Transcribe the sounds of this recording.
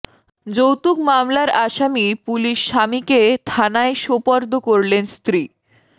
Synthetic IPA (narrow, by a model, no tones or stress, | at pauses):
d͡ʑowt̪ukmamlaɾaʃamipuliʃːamiket̪ʰanaeʃopɔɾd̪ʱokoɾlenst̪ɾi